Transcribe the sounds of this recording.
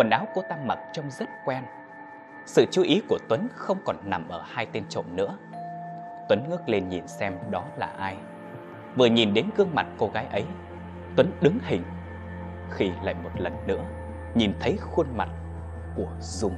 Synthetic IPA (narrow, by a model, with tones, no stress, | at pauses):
kwə˨˩nʔaː˨˦wko˧t̪a˧mːa̰˨˩t̚t͡ɕɔ˧wŋ͡mzə˦˥t̚kwɛ˧n | sɨ̰˧˨t͡ɕu˨˦ʔi˨˦ku˧˩ət̪wə˨˦nxə˧wŋ͡mkɔ˨˩nna˨˩mʔəː˧˩haː˧jt̪e˧nt͡ɕo̰˧˨nnɨ̰˧˥ə | t̪wə˨˦nŋɨ˦˥ək̚le˧nɲḭ˨˩nsɛ˧mɗɔ˨˦la̰ː˨˩ʔaː˧j | vɨ˨˩əɲi˨˩nɗe˨˦nkɨ˧əŋma̰˨˩t̚ko˧ɣaː˨˦jʔə˨˦j | t̪wə˨˦nɗɨ˨˦ŋhï˨˩ŋ̟ | xi˧la̰ː˧˨jmo˨˩t̚lə˨˩nːɨ̰˧˥ə | ɲi˨˩nt̪ʰə˨˦jxwu˧ənma̰˨˩t̚ | ku˧˩ə | zʊ˧ŋ͡m